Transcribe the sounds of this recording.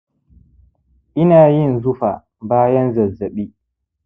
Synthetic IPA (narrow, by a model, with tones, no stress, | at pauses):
ʔɪ˦naː˨jɪ˦˨nzʊ˦ɸa˨ | baː˦jɐ˦nzɐ˨zːɐ˨ɓiː˦